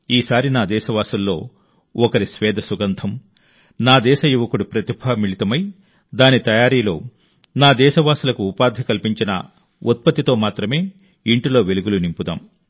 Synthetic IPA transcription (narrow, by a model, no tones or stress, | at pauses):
iːsaːɾinaːd̪ɛːʃɐʋaːsɐlːo̞ː | ɔkɐɾisʋɛːd̪ʱɐsuɡɐnt̪ʰɐm | naːd̪ɛːʃɐjuʋɐkuɽupɾɐt̪ibʱɐmiɭit̪ɐmɐj | d̪aːnit̪ɐjaːɾiːlo̞ː | naːd̪ɛːʃɐʋaːsulɐkuːpaːd̪ʱɐkɐlpiɲt͡ʃinɐ̰ | ut̪̚pɐt̪ːit̪o̞ːmaːt̪ɾɐme̞ː | iɳʈilo̞ːʋeluɡulunimpud̪a̰ːm